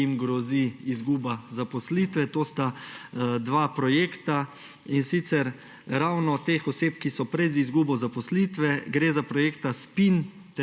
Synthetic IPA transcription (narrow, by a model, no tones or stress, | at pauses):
imɡɾɔziizɡuːbazapɔsliːt̪ʋɛt̪oːst̪a | d̪ʋaːpɾɔjeːkt̪a | insit̪sɛɾ | ɾawnɔt̪eːxɔseːpkisɔpɾɛzizɡuːbɔzapɔslit̪ʋɛɡɾeːzapɾɔjeːkt̪aspin | t̪